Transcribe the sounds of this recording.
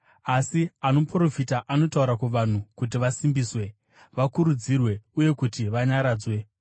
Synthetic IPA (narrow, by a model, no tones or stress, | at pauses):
asiano̞pro̞fitaʔano̞tauɾakuʋan̤ukut̬iʋasimbiːswe̞ | ʋakuɾud͡zirwe̞uje̞kutiʋaɲaɾaːd͡zwe̞